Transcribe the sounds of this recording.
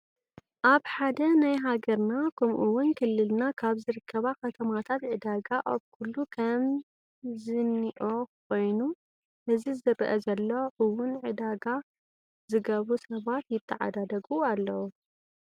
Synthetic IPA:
ʔaβħad̪ɐnajɦaɡɐɾnakʰɐmʔuwʊnkʰɨlːɨlnakʰaβzɨɾɨkʰːɐβakʰɐt̪ʰɐmat̪ʰat̪ʕɨd̪aɡaʔa̰βkʰulːukʰɐm | zɨniʔok̚ʰo̞jnu | hɨzizɐɾʔɐzɐlːo̞ʔɨwʊnʕɨd̪aɡa | zɨɡɐβusɐβat̪jɪt̪ʰːɐʕa̰d̪ad̪ɐɡualːɐwu

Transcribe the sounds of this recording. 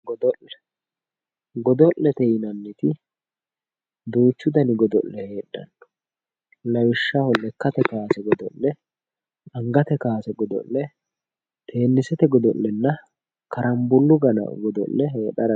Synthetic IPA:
ɡɔd̪ɔʔlɛ̥ | ɡɔd̪ɔʔːɛt̪ɛjɪnɐnːɪt̪ɪ | d̪uːt͡ʃːʊd̪ɐnɪɡɔd̪ɔ̰ʔːɛhe̞ːɗːɐ̰nːɔ̥ | lɐwɪʃːɐhɔlːɛkːɐt̪ɛkaːsɛɡɔd̪ɔ̰ʔːɛ | ɐŋɡɐt̪ɛkaːsɛɡɔd̪ɔ̰ʔːɛ | t̪ʰe̞ːnːɪsɛt̪ɛɡɔd̪ɔlːɛnːɐ | kɐɾʔɐmbʊlːʊɡɐnɐ̰ɡɔd̪ɔ̰ʔːɛɦeːɗɐɾɐ

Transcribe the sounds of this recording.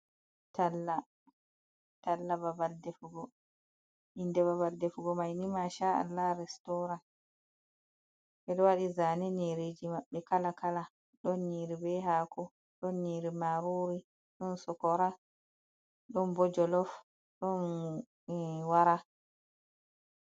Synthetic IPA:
talːa | talːababaldɛfuɡɔ | ʔindɛβaβaldefuɡɔmajnimaʃaa̰lːaɾɛstɔɾan | ʔɛɗɔwaɗizaːnɛniɾed͡ʒimaɓːɛkalakala | ɗɔnɲiːɾibɛɦaːkʰɔ | ɗɔnːiɾimaɾoɾi | ɗɔnsɔkɔɾa | ɗɔnbɔd͡ʒɔlɔf | ɗɔn | waɾa

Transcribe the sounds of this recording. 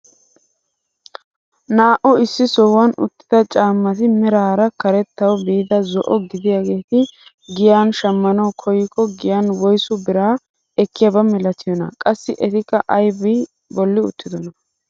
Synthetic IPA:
naːʔɔɪsːɪsɔwɐnʊ̰t̪ːɪ̥d̪ɐt͡ʃʼaːmːɐt̪̬ɪmɛɾaːɾɐkɐɾɛt̪ːɐwɔbiːd̪ɐzɔʔɔɡɪd̪ɪjaɡe̞ːt̪ɪ | ɡɪjaːnʃɐmːɐnɐwkʰɔjːɪkːɔɡɪjaːnwɔjsʊbɪɾaː | ɛkːɪjɐbɐmɪlɐt̪ɪjɔnɐ̰kʼɐsːɪʔɛt̪ɪkːɐʔɐjbɪ | bɔlːɪʊ̰t̪ːɪd̪ɔnɐ

